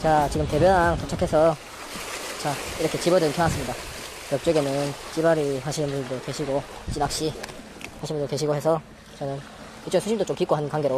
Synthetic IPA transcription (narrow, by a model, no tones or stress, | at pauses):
t͡ɕat͡ɕiɡɯmte̞bjʌnaŋsʰʌt͡ɕʰakʰe̞sʰʌ | t͡ɕaiɾʌkʰe̞t͡ɕibʌdɯnkʰjʌas͈ɯmɲida | jʌk̚t͡ɕ͈ʌɡe̞nɯnt͡ɕ͈ibaɾiɦaɕʰinɯnbuɭdokweɕʰiɡo | t͡ɕ͈inak̚ɕ͈i | haɕʰinbundokwe̞ɕʰiɡohe̞sʰʌ | t͡ɕʌnɯn | it͡ɕonsʰuɕimdot͡ɕ͈omkik͈oɦanɯnkwaŋɡeɾo